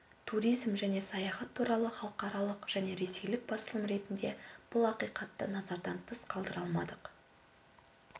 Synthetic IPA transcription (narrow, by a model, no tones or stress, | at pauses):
t̪ʰuɾijzmʒæne̞sɑjɑχɑt̪ʰːuɾɑlˠəχɑlˠəqɑɾɑlˠəqʒ̥æne̞ɾe̞se̞jlɪk̚bɑsəlˠəmɾe̞t̪ɪnd̪e̞b̥ʊlˠɑqijqɑt̪ːə̰nɑzɑɾd̪ɑnt̪ʰəsqʰɑlˠd̪əɾɑlˠmɑ̰d̪əq